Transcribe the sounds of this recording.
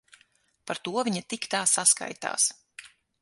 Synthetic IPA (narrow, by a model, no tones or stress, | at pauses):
paɾt̪uɔvʲiɲat̪ikt̪aːsaska̰jt̪a̰ːs